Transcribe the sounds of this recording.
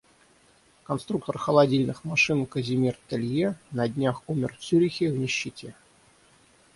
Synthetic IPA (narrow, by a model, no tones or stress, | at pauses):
kɐnst̪ɾuk̚t̪ərxəlˠɐdʲilʲnɨxmɐʂɨnkəzʲɪmʲirt̪ɨlʲjenɐdʲnʲaxumʲɪrfsʲyɾʲɪxʲɪvnʲɪɕːɪtʲe